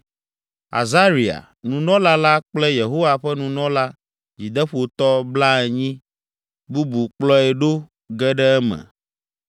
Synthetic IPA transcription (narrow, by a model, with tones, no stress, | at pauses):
a̰˨za˦ɾi˨a̰˨ | nũ˨nɔ̃˦la˦la˦k͡plɛ˦je˨ɦo˦wa˨ɸɛ˦nũ˨nɔ̃˦la˦ | d͡ʑi˨d̪ɛ˦ɸo˨t̪ɔ˦bla˦ɛ˨ɲĩ˦ | bu˦bu˨k͡plɔ˦ɛ˨ɖo˦ | ɡɛ˦ɖɛ˦ɛ˦mɛ̰̃˨